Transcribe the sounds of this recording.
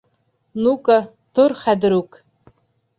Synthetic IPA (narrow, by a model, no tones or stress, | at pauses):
nuka | t̪oɾχæðɘ̆ɾʉk